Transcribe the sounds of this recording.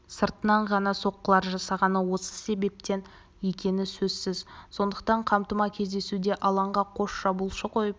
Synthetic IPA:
səɾt̪ənɑɴʁɑnɑso̞qːəlˠɑɾʒɑsɑʁɑnəwo̞sə̥se̞be̞p̚t̪e̞n | je̞kʲe̞nɪsɵzsɪzso̞nd̪əq̚t̪ɑɴqʰɑmt̪əmɑkʲʰe̞zd̪e̞sud̪e̞ʔɑlˠɑɴʁɑqʰo̞ʃʒɑbulˠʃəqʰo̞jəp̚

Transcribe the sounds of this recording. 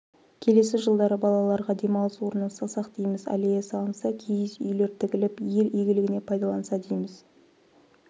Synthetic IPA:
kʲʰe̞le̞sɪʒəlˠd̪ɑɾəbɑlˠɑlˠɑɾʁɑd̪e̞mɑwlˠəswo̞ɾənəsɑsɑqd̪ijmɪzæ̰lejesɑɑlˠnsɑkʲʰejɪzʏ̰jle̞ɾt̪ʰɪkʲɪlɪpje̞ɾijɡʲɪlɪɡʲɪne̞pʰɑjd̪ɑlˠɑnsɑd̪ejmɪz̥

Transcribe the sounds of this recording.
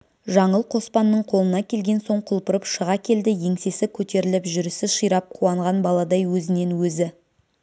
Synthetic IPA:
ʒɑɴəlˠqʰo̞spɑnːəɴqʰo̞lˠənɑkʲʰe̞lɡʲe̞nso̞ɴqʰʊlˠpəɾəpʃəʁɑkʲʰe̞ld̪ɪje̞ŋse̞sɪkʲʰɵt̪e̞ɾɪlɪpʒʏɾɪsɪʃəjɾɑp̚qʰuɑɴʁɑnbɑlˠɑd̪ɑjwɵzɪne̞nwɵzɪ

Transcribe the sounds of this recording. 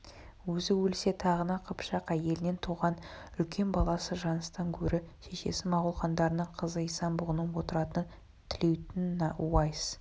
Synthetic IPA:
wɵzɪwɵlɪse̞t̪ʰɑʁənɑqʰəpʃɑqæje̞lɪne̞nt̪ʰuʁɑnʏlkʲʰe̞nbɑlˠɑsəʒɑnəst̪ɑŋkʲʰɵɾɪʃe̞ʃe̞̰sɪmɑʁʊlˠχɑnd̪ɑɾənəɴqʰəzəisɑnbʊʁənənwo̞t̪əɾɑt̪ən | t̪ʰɪle̞wt̪ɪnːwɑjs

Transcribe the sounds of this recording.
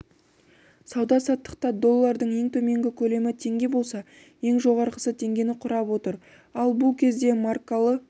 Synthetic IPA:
sɑwd̪ɑsɑt̪ːə̥qt̪ɑd̪o̞lˠːɑɾd̪əɴje̞ŋt̪ʰɵme̞ŋɡʲɪkʲʰɵle̞mɪt̪ʰe̞ŋɡʲe̞bo̞lˠsɑ | je̞ŋʒo̞ʁɑɾqəsət̪ʰe̞ŋɡʲe̞nɪqʰʊɾɑpwot̪əɾ | ɑlˠbʊlˠkʲʰe̞zd̪e̞markalˠə

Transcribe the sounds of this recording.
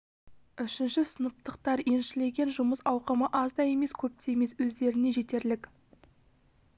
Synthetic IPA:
ʏʃɪnʃɪsənəp̚t̪əqt̪ɑɾje̞nʃɪle̞ɡʲe̞nʒʊməsɑwqəməʔɑzd̪ɑje̞me̞skʲʰɵp̚t̪eeme̞swɵzd̪e̞ɾɪne̞ʒet̪e̞ɾlɪk

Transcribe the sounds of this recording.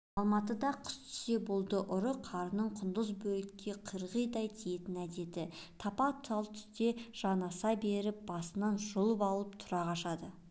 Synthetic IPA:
ɑlˠmɑt̪əd̪ɑqʰʊ̥st̪ʰʏ̥se̞bolˠd̪əʔʊɾəqʰɑɾənəɴqʰʊnd̪əzbɵlɪkʲʰːe̞qʰəɾʁəjd̪ɑjt̪ʰije̞t̪ɪnæd̪e̞d̪ɪt̪ʰɑpɑt̪ʰɑlˠt̪ʰʏ̥st̪e̞ʒ̥ɑnɑsɑbe̞ɾɪp̚b̥ɑsənɑnʒolˠəpɑlˠəp̚t̪ʰʊɾɑʁɑʃɑd̪ə

